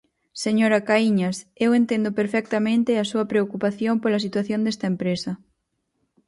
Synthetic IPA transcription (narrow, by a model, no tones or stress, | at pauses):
seɲoɾakaiɲasewent̪end̪opeɾfɛk̚t̪amẽnt̪easuɐpɾeokupaθjompolɐsit̪waθjond̪est̪ɐempɾesɐ